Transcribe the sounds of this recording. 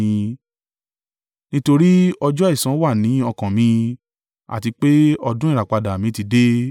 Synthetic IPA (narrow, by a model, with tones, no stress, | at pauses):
ĩ˧ | nĩ˦to˧ɾi˦ɔ˧d͡ʒɔ˦i˦˨sã˨˦wa˦˨nĩ˨˦ɔ˧kã˨mĩ˧ | a̰˨ti˧k͡pe˦ɔ˧dũ˦ĩ˦˨ɾa˨k͡pa˧da˨mĩ˨˦ti˧˦de˦